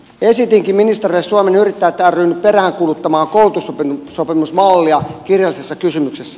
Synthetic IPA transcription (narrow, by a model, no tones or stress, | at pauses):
esit̪iŋkimminist̪erilːessuomenyrit̪ːæːt̪ːæryːnːypperæːŋkulut̪ːɑmɑːŋkoult̪usopisopimusmɑlːiɑkirjɑlːˑisesːɑkysymyksesːæ